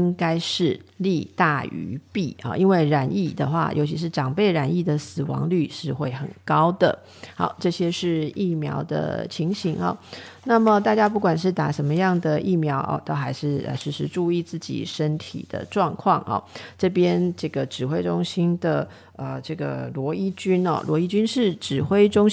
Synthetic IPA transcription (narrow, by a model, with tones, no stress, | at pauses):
i˥ŋka˥ɪʂɻ̩˥˩li˥˧t̪a˥˩y̰˧˥pi˥˩ɑ̰˩ʔi˥nwe˥˩ɪɻa˧˥ni˥˩d̪ə˩xwa̰˥˩jʔo̰˧˥t͡ɕʰi˧˥ʂ̬ɻ̩˥˩ʈ͡ʂɑ˨˩ŋpe˥˩ɪɻa˧˥ni˥˩d̪ə˩sɹ̩˨˩wɑ̰˧˥ŋly˥˩ʂɻ̩˥˧xwe˥˩ɪxə̰˨˩nkɑ˥ʊd̪ə̰˨ | xɑ˧˥ʊʈ͡ʂɤ˥˩ɕjɛ˥ʂɻ̩˥˧i˥˩mjɑ˧˥ʊd̪ə̰˧t͡ɕʰi˧˥ŋɕi˧˥ŋɐ̰˧na˥˩mə˨˩t̪a˥˩t͡ɕja˥p̬u˥˩kwa˨˩nʂ̬ɻ̩˥˩t̪a˨˥ʂə˧˥nmə˧jɑ˥˩ŋd̪ə˨ʔi˥˩mjɑ˧˥ʊʔɔ̰˨˩t̪o˥ʊxa˧˥ɪʂɻ̩˥˩ə̰˧ʂɻ̩˥˩ʂɻ̩˧˥˧ʈ͡ʂu˥˧i˥˧t͡sɹ̩˥˩t͡ɕḭ˨˩ʂə˦˥nt̪ʰḭ˨˩d̪̥ə̰˦ʈ͡ʂwɑ˥˧ŋkʰwɑ˥˩ŋʔɑ̰˨˩ʈ͡ʂɤ˥˩pjɛ˥nʈ͡ʂɤ˥˩ɡə˩ʈ͡ʂɻ̩˨˩xwe˥ɪʈ͡ʂʊ˥ŋɕi˥nd̪ə˨ | ə˨˩ʈ͡ʂɤ˥˩ɡə̰˩lwɔ˧˥i˥t͡ɕy˥nɐ̰˨lwɔ˧˥i˥t͡ɕy˥nʂɻ̩˥˩ʈ͡ʂɻ̩˨˩xwe˥ɪʈ͡ʂʊ˥ŋ